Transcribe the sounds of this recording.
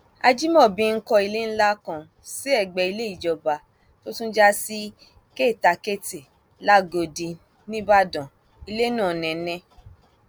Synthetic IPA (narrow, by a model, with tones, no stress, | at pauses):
a˧d͡ʒi˦mɔ̃˦˨bĩ˧ŋ̩˦kɔ˧i˧le˦n̩˦la˦kã˧ | si˨˦ɛ˦˨ɡ͡bɛ˧i˧le˦i˦˨d͡ʒɔ˨ba˨ | to˦tũ˦d͡ʒa˦si˦ | ke˦˨ta˨˧ke˦ti˨ | la˦˨ɡo˧di˧ | nĩ˦ba˦dɔ̃˨ | i˧le˦nũː˦˨nɛ̃˨˦nɛ̃˦